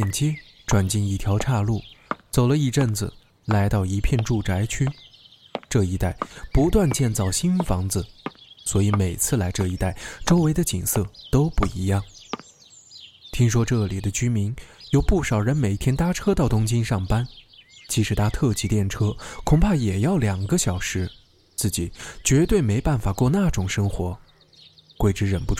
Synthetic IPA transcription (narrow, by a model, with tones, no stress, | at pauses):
ɛ˥˩nt͡ɕjɛ˥ | ʈ͡ʂwa˨˩nt͡ɕi˥˩ni˥˩t̪ʰjɑ˧˥ʊʈ͡ʂʰa˥˧lu˥˩t͡so˨˩ʊlə˧˦i˥˧ʈ͡ʂə˥˩nd͡zɹ̩̰˩ | la˧˥ɪt̪ɑ˥˩ʊi˧˥pʰjɛ˥˧nʈ͡ʂu˥˩ʈ͡ʂa˧˥ɪt͡ɕʰy˥ | ʈ͡ʂɤ˥˩i˧˥t̪a˥˩ɪpu˧˥t̪wa˥˧nt͡ɕjɛ˥˧nt͡sɑ˥˩ʊɕi˥nfɑ˧˥ŋd͡z̩˧swɔ˧˥i˧˥me˨˩ɪt͡sʰɹ̩˥˩la˧˥ɪʈ͡ʂɤ˥˧˩i˧˥t̪a˥˩ɪʈ͡ʂo˥ʊwe˧˥ɪd̪ə˧t͡ɕḭ˨˩ŋsɤ˥˩t̪o˥ʊpu˥˩ḭ˧˥jɑ˥˩ŋ | t̪ʰi˥ŋʂwɔ˥ʈ͡ʂɤ˥˩li˨˩d̪ə˦t͡ɕy˥mi˧˥ŋjo˧˩ʊpu˥˩ʂɑ˨˩ʊɻə˧˥nme˨˩ɪ˥t̪ʰjɛ˥nt̪a˥ʈ͡ʂʰɤ˥t̪ɑ˥˩ʊt̪ʊ˥ŋt͡ɕi˥nʂɑ˥˩ŋpa˥nt͡ɕi˧˥ʂɻ̩˧˥t̪ʰa˥t̪ʰɤ˥˩t͡ɕi˧˥t̪jɛ˥˩nʈ͡ʂʰɤ˥kʰʊ˨˩ŋpʰa˥˩jɛ˨˩jɑ˥˩ʊljɑ˨˩ŋɡə˦ɕjɑ˨˩ʊʂɻ̩˧˥ | t͡sɹ̩˥˩t͡ɕi˨˩˦t͡ɕɥɛ˧˥t̪we˥˩ɪme˧˥ɪpa˥˩nfa˨˩kwɔ˥˧na˥˩ʈ͡ʂʊ˨˩ŋʂɤ˥ŋxwɔ˧˥ | kwe˥˩ɪʈ͡ʂɻ̩˧˥ɻə˨˩npu˧˥ʈ͡ʂ